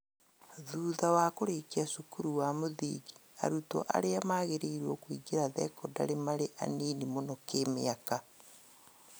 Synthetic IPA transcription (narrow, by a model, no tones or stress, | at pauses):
ðuːðawakoɾekiasukuɾuwamoðḭːɡia̰ɾutɔ̰ʔa̰ɾeamaːɣeɾeiɾwɔkwiɡeɾaðɛkɔda̰ɾemaɾeʔa̰niːnimonɔkemḛaka